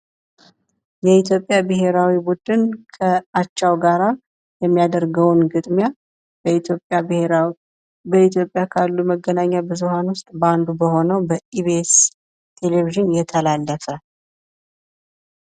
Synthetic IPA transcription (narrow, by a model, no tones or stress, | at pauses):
jɛit̪ʰjo̞pʼːjabɨɦe̞ɾawibud̪ɨnkʰəat͡ʃːawɡaɾa | jɛmːijad̪əɾɡəwnɡɨt̪ʼmja | opʼjab | bəit̪jo̞pʼjakʰalːuməɡːənaɲːabɨzuhanwʊst̪ʼband̪ubəho̞nəwbəiβes | t̪ʰe̞leviʒɨnjɛt̪ʰəlalːəfə